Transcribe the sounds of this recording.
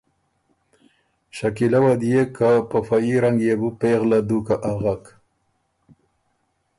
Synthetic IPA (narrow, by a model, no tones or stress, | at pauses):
ʃakilawad̪ijekapafaiɾaŋɡjebupeɣlad̪ukaʔaɣak